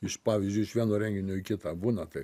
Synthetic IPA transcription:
ɪʃpɑːʋʲizʲd͡ʒʲʊɪʃʋʲiɛnoːɾʲɛŋʲɡʲɪnʲoːɪkʲɪt̪ɑbuːnɐt̪ɐɪ

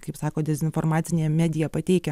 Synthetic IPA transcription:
kɐɪpsɑːkoːd̪ʲɛzʲɪnfoːɾmɑːt̪sʲɪnʲejɛmʲæːd̪ʲɪjɛpɐt̪ʲɛɪkʲɛ

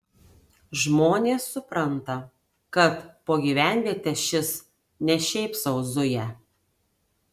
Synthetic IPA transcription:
ʒmoːnʲeːsːʊpɾɐnt̪ɐ | kɐt̪poːɡʲiːʋʲæˑnʲʋʲiɛt̪ʲɛʃʲɪs | nʲɛʃʲɛɪpsɐʊzʊjɛ

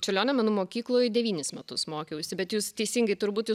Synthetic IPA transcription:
t͡ʃʲɛlʲoːnʲɛmɐnumoːkʲiːklˠoːjd̪ʲɛʋʲiːnʲɪsmʲɛt̪ʊsmoːkʲɛʊsʲɪbʲɛt̪juːst̪ʲɛɪsʲiːŋɡɐɪt̪ʊɾbuːt̪juː

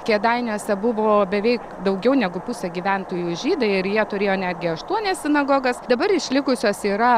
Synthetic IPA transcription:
kʲiɛd̪ɐɪnʲoːsʲɛbʊʋoːbʲɛʋʲɛɪk | d̪ɐʊɡʲɛʊnʲɛɡʊpʊsʲɐɡʲiʋʲænt̪oːjuʒʲiːd̪ɐɪɪɾjiɛt̪ʊɾʲeːjoːnʲæːd̪ʲɡʲɪɐʃt̪uɔnʲɛsʲsʲɪnɐɡoːɡɐsd̪ɐbɐɾɪʃʲlʲɪkʊsʲoːsiːɾɐ

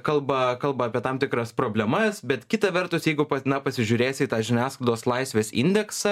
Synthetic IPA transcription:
kɐlˠbɐkɐlˠbɐːpʲiɛt̪ɑmt̪ʲɪkɾɐspɾoːbʲlʲɛmɐsbʲɛt̪kʲɪt̪ɐʋʲɛrt̪ʊsjɛɪɡʊpɐnɐpɐsʲɪʒʲʊːɾʲeːsʲɪt̪ɑːʒʲɪnʲæːsklˠɪd̪oːslˠɐɪsʲʋʲeːsɪ̰nʲd̪ʲɛksɐ

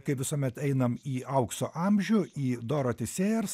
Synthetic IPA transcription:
kɐɪpʋʲɪsuɔmʲɛt̪ɛɪnɐmiːɐʊksoːʔɑːmʲʒʲʊiːd̪oːɾoːt̪ʲɪsʲeːjɛrs

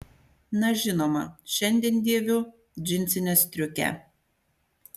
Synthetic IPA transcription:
nɐʒʲɪnoːmɐ̰ʃʲɛnʲd̪ʲiɛnd̪ʲiɛʋʲʊ | d͡ʒʲɪnʲt̪sʲɪnʲɛsʲt̪ʲɾʲʊkʲɛ̰

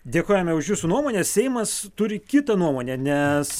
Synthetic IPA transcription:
d̪ʲeːkoːjɛmʲɛʊʃjuːsʊnuɔmoːnʲeːssʲɛɪmɐst̪ʊɾʲɪkʲɪt̪ɐnuɔmoːnʲeːnʲɛs

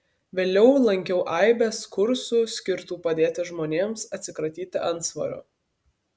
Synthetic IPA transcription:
ʋʲeːlʲɛʊlˠɐŋʲkʲɛʊʔɐɪbʲɛskʊɾsuːsʲkʲɪɾt̪uːpɐd̪ʲeːt̪ʲɪʒmoːnʲeːmsɐt̪ʲsʲɪkɾɐt̪ʲiːt̪ʲɪʔɐnt̪sʋɐ̰ɾʲʊ̰

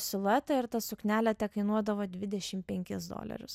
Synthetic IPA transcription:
sʲɪlˠʊɛt̪ɐɪɾt̪ɐsʊknʲæːlʲɛt̪ʲɛkɐɪnuɔd̪ɐʋoːd̪ʲʋʲɪd̪ʲɛʃʲɪmpʲɛŋʲkʲɪsd̪o̰ːlʲɐ̰ɾʲʊs

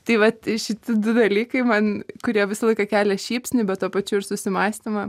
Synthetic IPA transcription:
t̪ɐɪʋɐt̪ʃʲɪt̪ʲɪd̪ʊd̪ɐlʲiːkɐɪmɐnkʊɾʲiɛʋʲɪsɐlˠɐɪkɐkʲæːlʲɛʃʲiːpʲsʲnʲʊbʲɛt̪t̪uɔpɐt͡ʃʲʊɪɾsʊsʲɪmɑːsʲt̪ʲɪmɐ

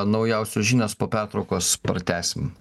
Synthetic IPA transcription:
nɒʊjɛʊsʲʊʒʲiːnʲeːspoːpʲæɾt̪ɾɐʊkoːspɾɐt̪ʲæːsʲɪm

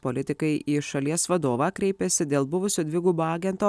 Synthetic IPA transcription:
polʲɪt̪ʲɪkɐɪʔiːʃɐlʲiɛssʋɐd̪oːʋɑːkɾʲɛɪpʲɛsʲɪd̪ʲeːlˠbʊʋʊsʲoːd̪ʲʋʲɪɡuːboɑːɡʲɛnt̪oː

